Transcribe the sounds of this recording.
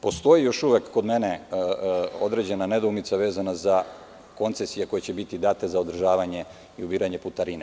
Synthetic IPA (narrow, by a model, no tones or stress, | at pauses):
po̞st̪o̞jijo̞ʃuʋekːo̞d̪me̞ne | o̞d̪ɾe̞d͡ʑe̞nane̞d̪umit̪saʋe̞ːzanaza | ko̞nt̪sesijeko̞jet͡ɕebit̪id̪aːt̪ezao̞d̪r̩ʒaːʋaɲe̞ | iubiːɾaɲe̞put̪aɾine